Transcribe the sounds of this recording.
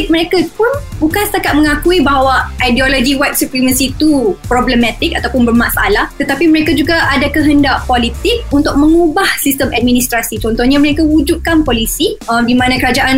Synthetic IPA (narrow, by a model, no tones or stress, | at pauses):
mə̃ɾekapʊnbukansət̪akat̪̚mə̃ŋakuibaɦawaʔajdiolod͡ʒiwajt̪̚suplimə̃nsit̪upɾɔbləmɛ̃t̪ɪk̚at̪awpʊnbərmasa̰laht̪ət̪apiməɾekad͡ʒuɡaʔadakəɦəndaʔpolit̪ɪk̚unt̪ʊk̚mə̃ŋubahsist̪əmad̚mĩnist̪ɾasit͡ʃɔnt̪ɔhɲaməɾekaud͡ʒut̪̚kanpɔlisiəmdimãnãkəɾad͡ʒaʔan